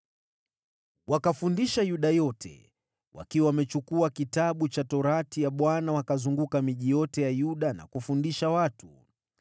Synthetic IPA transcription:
wakafundiʃajuɗajɔtʰɛ̰ | wʔa̰kiwawamɛt͡ʃukuakitaɓut͡ʃatɔɾatijaɓwanawakazuŋɡukamiʄijɔtɛjajuɗana̰kufundiʃawatu

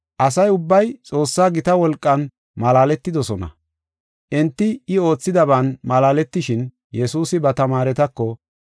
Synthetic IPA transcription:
ʔɐsɐjʊbːɐjt͡sʼo̞ːsːaːɡɪt̪ɐwɔlkʼːɐn | mɐlaːlɛt̪ːɪd̪ɔsɔnɐ̰ | ʔɛnt̪ːɪɪo̞ːt͡sːɪd̪ɐβaːnmɐlaːlɛt̪ːɪʃɪn | jɛsuːsɪbɐt̪ɐmaːɾɛt̪ɐkːɔ

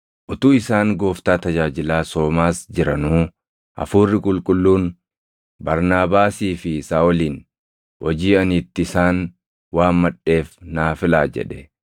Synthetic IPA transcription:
ʔʊt̪uːɪsaːŋɡo̞ːft̪aːt̪ɐd͡ʒaːd͡ʒɪlaːso̞ːmaːsd͡ʒɪɾɐnuː | ʔɐ̰fuːrːɪkʼʊlkʼʊlːuːn | bɐɾnaːbaːsiːfɪsaːwɔliːn | hɔd͡ʒiːɐnit̪ːɪɪsaːn | waːnmɐɗːe̞ːfnaːfɪlaːd͡ʒɛ̰ᶑɛ

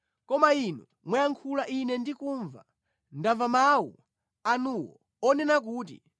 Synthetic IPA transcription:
kɔmainu | mwɛjaŋkʰulaʔinɛndikuːɱva | ndavamawṵ | anuwɔ̰ | ɔnɛnak̬uːtḭ

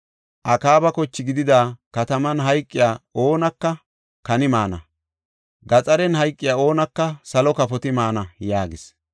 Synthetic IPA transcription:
ʔɐkaːbɐkɔt͡ʃːɪɡɪd̪ɪd̪aːkɐt̪ɐmɐnɦɐjkʼːɪjaːo̞ːnɐkːɐ | kɐnɪmaːnɐ̰ | ɡɐt͡sʼɐɾɛnɦɐjkʼːɪjaːo̞ːnɐkːɐsɐlɔkɐpɔt̪ɪmaːnɐjaːɡɪs

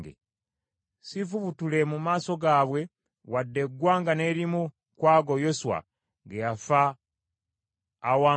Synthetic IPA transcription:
ɡḛ | sifuβutulemumaːso̞ɡaːβwe̞ | wadːe̞ɡwaːŋɡane̞ɾimu | kwaːɡojo̞suwa̰ | ɡejafa | wa

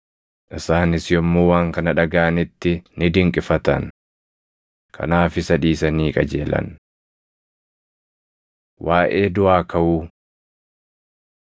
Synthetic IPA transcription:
ʔɪsaːnɪsjɔmːoːwaːŋkɐnɐᶑɐɡaːɐnɪt̪ːɪnɪd̪ɪŋkʼɪfɐt̪ɐn | kʰɐ̰naːfɪsɐᶑiːsɐniːkʼɐd͡ʒe̞̰ːlɐ̰n | waːʔe̞ːd̪ʊʔaːkʰɐʔuː

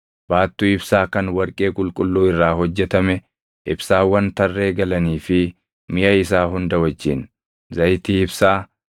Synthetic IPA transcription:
b̥aːt̪ːuːɪbsaːkɐnwɐɾkʼe̞ːkʼʊlkʼʊlːuːɪrːaːɦɔd͡ʒːɛt̪ɐmɛ | ʔɪbsaːwːɐnt̪ɐrːe̞ːɡɐlɐniːfɪ | mɪjʔɐɪsaːɦʊnd̪ɐwɐd͡ʒːɪn | zɐjt̪iːɪbsaː

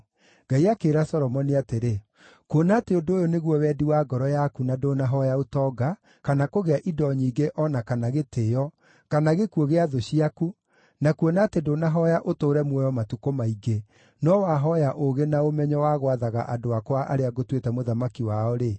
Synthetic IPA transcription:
ɡ̥aiakeːɾasɔɾɔmɔniateɾe | kuonateodoojoneɣwɔwɛːdiwaɡɔɾɔjakunadoːnaɦɔjaotɔːɡa | kanakoɣeaʔidɔɲiːɡeʔɔnakanaɣetejɔ | kanaɣekuoɣeaðoɕiaku | nakuonatedonaɦɔjaʔotoːɾɛmwɛjɔmatukomaiɡe | nɔwaɦɔjaʔoɣenaomɛɲɔwaɣwaðaɣa̰ʔadoakwaʔa̰ɾeaɣotwetɛmoðamakiwaɔɾe

